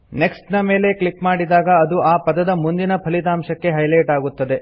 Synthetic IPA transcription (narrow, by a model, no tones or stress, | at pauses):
neksʈnɐme̞ːle̞klikmaːɽid̪aːɡɐːd̪uʔaːpɐd̪ɐd̪ɐmund̪inɐpʰɐlit̪aːmʃɐkːe̞ɦɐjlɐjʈaːɡut̪ːɐd̪e̞